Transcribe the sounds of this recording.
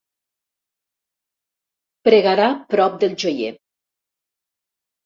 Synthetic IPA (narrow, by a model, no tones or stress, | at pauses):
pɾeɣaɾapɾɔp̚d̪elˠd͡ʒojḛ